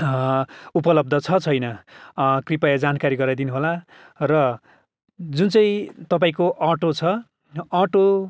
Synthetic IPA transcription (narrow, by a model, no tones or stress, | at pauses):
upʌlʌb̚d̪ʱʌt͡sʰʌt͡sʰʌjnʌkripajad͡zankaɾiɡʌɾad̪inuɦola | rʌ | d͡zunt͡sʌ̃ĩt̪ʌpãĩkoʔʌʈot͡sʰʌː | ʈo